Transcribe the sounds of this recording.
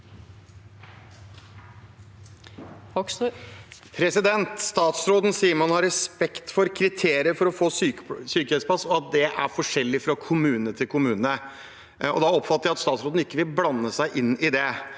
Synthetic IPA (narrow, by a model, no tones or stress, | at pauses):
pʰɾɛsɪd̪ɛnt̪st̪ɑːt̪sɾoːd̪n̩siːəɾmɑnhɑɾːɛspɛkt̪fɔɾkʰɾɪt̪ʰeːɾɪəɾfɔɾɔfoːsysyːkəɛspʰɑsɔɑt̪̚d̪ɛʔæɾfɔʂɛlːɪfɾɑkʰʊmʉːnət̪ʰɪlkʰʊmʉːnənə | ɔ̰d̪ɑɔpfɑt̪ːəɾjæɑt̪st̪ɑːt̪sɾoːd̪n̩ɪkːəʋɪlblɑnːəsæɪʔɪnːɪd̪ɛ